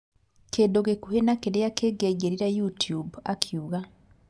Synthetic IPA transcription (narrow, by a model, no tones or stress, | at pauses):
kʰeːdoɡekuhenakedejakeːɡeɟeɾiɾajutjubakʰjuɣa